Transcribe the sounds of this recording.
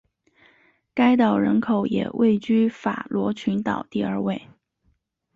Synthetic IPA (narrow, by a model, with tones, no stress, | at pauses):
ka˥ɪt̪ɑ˨˩ʊɻə̰˧˥nkʰo˨˩ʊjɛ̰˨˩wʔe˥˩ɪt͡ɕy˥fa̰˨˩lwɔ˧˥t͡ɕʰy˧˥nt̪ɑ̰˨˩ʊt̪i˥˧ə˞˥˧we˥˩ɪ